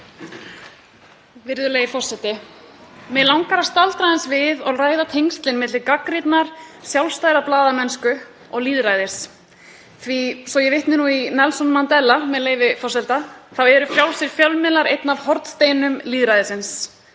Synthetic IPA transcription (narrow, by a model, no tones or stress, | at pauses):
vɪɾðʏleːjvɪfɔr̥sɛt̪ɪ | mɛlawŋkaɾḁst̪alt̪ɾajðɪnsvɪðɔɣraːjðat̪ʰejŋst̪lɪnmɪt̪lɪkakɾit̪naɾ̥sjawlst̪aːjɾaplaːðamɛnskʏ | ɔɣliːðɾaːjðɪɾ̥s | θvisɔjɛvɪht̪nɪnuinɛlsɔnmant̪ɛlːamɛðleːjvɪfɔrsɛlt̪aθawɛɾʏfjawlsɪɾ̥fjœwlmɪlaɾejt̪navhɔɾt̪st̪eːjnʏmliːðɾajðɪsɪns